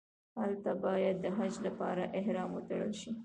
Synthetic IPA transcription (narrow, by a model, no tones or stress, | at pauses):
halt̪abɑjad̪ːəɦad͡ʒlapɑɾaʔɪɦɾɑmwət̪aɽə̰lʃi